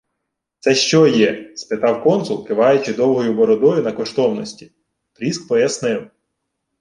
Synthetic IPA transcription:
t̪sɛʃt͡ʃɔjɛspɪt̪ɑwkɔnsʊlˠkɪʋɑjʊt͡ʃɪd̪ɔwˠɦɔjʊbɔɾɔd̪ɔjʊnɐkɔʃt̪ɔwnɔsʲtʲi̥ | pɾʲisk̚pɔjɐsnɪw

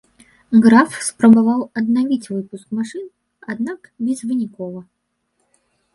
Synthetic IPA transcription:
ɣɾafspɾɐbavawɐd̪navʲit͡sʲvɨpuskmaʂɨn | ad̪nakbʲɛzvɨnʲikɔvɐ

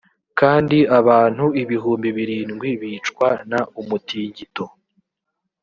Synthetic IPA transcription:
kaːndiaβaːn̥huiβiɦuːmbiβiɾiːnɡwiβiːt͡ʃkwanaʔumutiːɲɟito̞

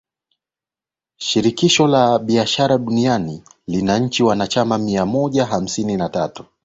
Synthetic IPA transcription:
ʃiɾikiʃɔlaɓiaʃaɾaɗunianilinaɲ̩t͡ʃiwanat͡ʃamamiamɔʄaɦam̩sininatatu̥

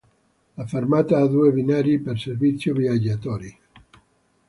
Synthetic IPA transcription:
lafermat̪aad̪uebinaɾiperservit̪sːjobiad͡ʒːat̪ɔɾi

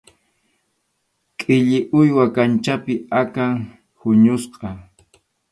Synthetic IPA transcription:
kʼɪʎɪʔʊjwakant͡ʃapɪakaŋ | hʊɲʊsqʼɑ

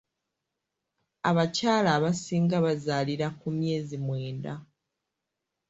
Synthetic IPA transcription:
a̰βacaːlaːβasiːŋɡaβazaːliɾakumje̞ːzimwe̞ːnda

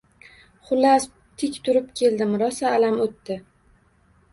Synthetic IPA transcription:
χʊlːas | t̪ʰɪkʲt̪ʰʊɾɪpkʲʰe̞ld̪ɪmɾɒsaːlamot̪ːɪ

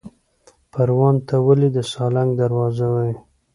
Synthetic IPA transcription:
paɾwɑnt̪awəlid̪əsɑlaŋɡd̪aɾwɑzawai

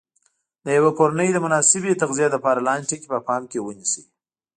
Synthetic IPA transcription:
d̪əjawapoɾanəjd̪əmʊnɑsɪbet̪aɣzijad̪əpɑɾalɑnʈekepəpɑmkewənisi

